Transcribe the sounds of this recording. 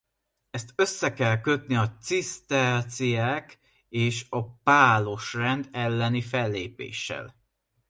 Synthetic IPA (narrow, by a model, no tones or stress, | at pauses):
ɛst̪ø̞sːɛkɛlkø̞t̪̚niɒt̪sist̪ɛt̪sijaːk | eːʃɒpaːlo̞ʃrɛnd̪ɛlːɛnifɛlːḛːpḛːʃːɛ̰l